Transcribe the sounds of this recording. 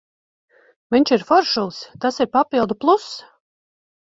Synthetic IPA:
viɲʲt͡ʃiɾfɔɾʃulˠst̪asiɾpapilˠd̪uplˠus

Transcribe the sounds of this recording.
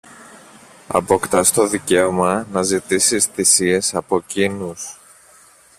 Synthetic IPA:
ɐ̰po̞kt̪ɐst̪o̞ðice̞o̞mɐnɐzit̪isisθisie̞sɐpo̞cinus

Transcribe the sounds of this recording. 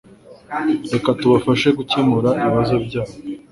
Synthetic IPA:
ɾe̞katuβafaʃeɡucemuɾaiiiβazo̞bɟaːwo

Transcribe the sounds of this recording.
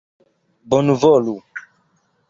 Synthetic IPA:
bɔnuvɔlu

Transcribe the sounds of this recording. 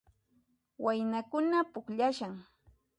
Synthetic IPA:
wajnakʊnapʊkʎaʃaŋ

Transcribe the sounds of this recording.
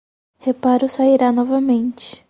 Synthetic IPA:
hepaɾʊsaiɾanɔvɐmẽnt͡ʃɪ̥

